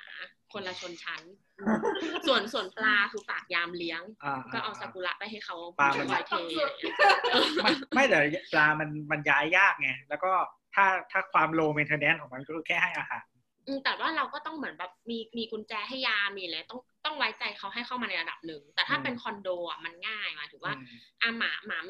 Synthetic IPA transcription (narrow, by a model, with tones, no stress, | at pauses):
a˨˦ | kʰo˧nla˧t͡ɕʰo˧nt͡ɕʰa˦˥n | su˨˩ənsu˨˩ənplaː˧kʰɯː˧paː˨˩k̚jaː˧mli˦˥əŋʔaː˧˩kɔː˥˩ʔaː˨˩sa˧ku˧la̰˦˥ʔpa˧jɦa˥˩jkʰa˦˥wplaː˧ma˧nː˧˦t̪ʰeː˧˨˧ʔɤː˧mama˥˩jt̪ɛː˨˩plaː˧ma˧nma˧njaː˦˥jːaː˥˩k̚ŋa˦˥lɛ˦˥wkɔː˥˩ | t̪ʰaː˥˩t̪ʰaː˥˩kʰwaː˧mloː˧mi˧nt̪ʰɤː˧nɛː˦˥nkʰːŋma˧nkɔː˥˩kʰɯː˧kʰɛː˥˩ha˥˩jʔaː˧ha̰ː˩˦n | ʔɯː˧mt̪ɛː˨˩waː˥˩ɾa˧wkɔː˥˩t̪ɔ˥˩ŋmɯ˩˦ənbɛː˨˩p̚miː˧miː˧kʰu˧nt͡ɕɛː˧ɦa˥˩jːaː˧miː˧˨lɛː˨˦t̪ɔ˥˩ŋt̪ɔ˥˩ŋwa˦˥jt͡ɕa˧jkʰa˦˥wɦa˥˩jxʰa˥˩maː˧na˧jɾa˧da̰˨˩p̚nɯ˨˩ŋt̪ɛː˨˩t̪ʰaː˥˩pe˧nkʰɔ˧ndoː˧ʔa̰˨˩ma˧nŋaː˥˩jma˧˥t̪ʰɯː˨˩˦waː˥˩ʔa˧˩maː˩˦maː˨˩˦